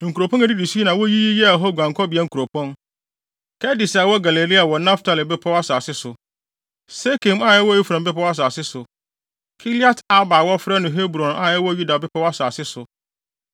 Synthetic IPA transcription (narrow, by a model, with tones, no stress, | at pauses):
ŋ̩˨ku˨ɾo˨pʰɔ̃˦nɛ˨di˦di˨si˦nã˨wɔ˦ji˦ji˦jɛ˦a˨ɦɔ˦˨ɡʷã˨ŋkʰɔ˦bɪ˨ɛ˦ŋ̩˨ku˨ɾo˨pʰɔ̃˦n | kʰɛ˦dɪ˨sa˨wɔ˦ɡa˨le˨li˦a˨wɔ˨nã˦ftʰa˨lɪ˨bɛ˦pʰɔ˦wa˦saː˨sɪ˦sʊ˨ | se˦kʰɪ̃˨ma˦˨jɛ˦wɔ˦ji˦fã˨m˦bɪ˦pʰa˦wa˦s̬aː˨sɪ˦sʊ˨ | kʰi˦li˦a˦tʰa˦baː˨wɔ˦fɾɛ˦nʊ̃˨ɦe˦bɾɔ̃˨na˨jɛ˦wɔ˦ju˦da˨bɪ˦pʰa˦wa˦saː˨sɪ˦sʊ˨